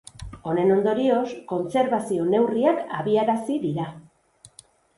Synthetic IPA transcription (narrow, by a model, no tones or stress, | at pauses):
o̞ne̞no̞nd̪o̞ɾio̞sko̞nt͡se̞ɾβasio̞ne̞wrianaβiaɾasiðiɾa